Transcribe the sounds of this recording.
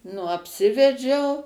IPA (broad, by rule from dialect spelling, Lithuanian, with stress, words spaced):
nʊ ɐpʲˈsʲɪʋʲɛd͡ʒʲɛʊ